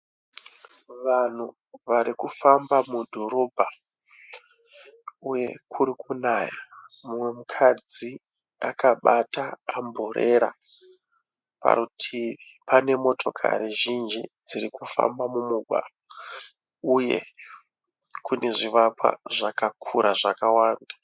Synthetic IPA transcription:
ʋan̤u | ʋaɾikufambamudʱo̞ɾo̞bʱa | uje̞kʰuɾikunaːjamumwe̞mukʰad͡zi | akaɓataambʱoɾʔeɾa̰ | pa̰ɾutʰi | pane̞mo̞tʰo̞kʰa̰ɾiʒind͡ʒid͡ziɾikufa̰mbamumuɡʱwa̰ro | ujḛ | kune̞ʐiʋapwa̰ʐakakʰuɾʔaʐakawaːnda

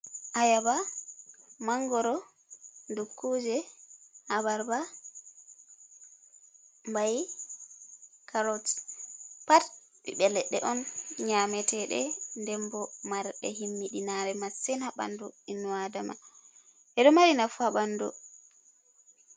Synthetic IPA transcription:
ʔajaba | maŋɡɔɾɔ | ndukʰːud͡ʒɛhabaɾba | mbaj | kʰaɾɔt | pat | ɓiɓɛlːɛɗɛ̰ʔɔnɲamɛtɛɗɛ̰ndɛmbɔmaɾɗɛ̰hinːiɗinaɾɛmasɛnhaɓa̰nduinːuadama̰ | ʔɛɗɔmaɾinafuaɓandṵ

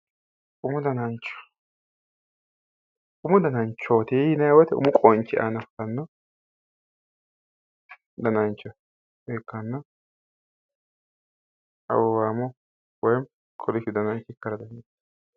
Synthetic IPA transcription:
ʔʊmʊd̪ɐnɐnt͡ʃːɔ̥ | ʊmʊd̪ɐnɐnt͡ʃːoːt̪eɪnɐjwɐt̪ɛʊ̰mʊkʼɔnt͡ʃːɪʔa̰ːnɐft̪ɐnːɐ | d̪ɐnɐnt͡ʃːɔ | ekːɐnːɐ | ɐ̰wɔwaːmɔ | wɔjm | kʰɔlɪʃɪd̪ɐnɐnt͡ʃːɪkːɐɾɐd̪ɐnɐ

